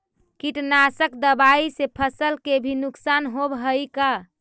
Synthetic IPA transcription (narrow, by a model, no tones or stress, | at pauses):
kiʈnasəkd̪əbaisepʰəsəlkebʱinuksanɦobɦəjka